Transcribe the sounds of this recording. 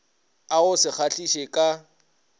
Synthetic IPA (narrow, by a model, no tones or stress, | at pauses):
aʊsɪk͡xʰaɬʼiʃekʼa